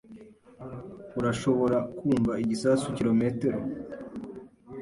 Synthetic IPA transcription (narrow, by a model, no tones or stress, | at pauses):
uɾaʃo̞βo̞ɾakuːɱvaiɟisaːsuciɾo̞meteɾo